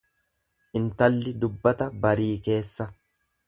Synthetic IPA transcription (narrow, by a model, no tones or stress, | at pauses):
ʔɪnt̪ɐlːɪd̪ʊbːɐt̪ɐbɐɾiːke̞ːsːɐ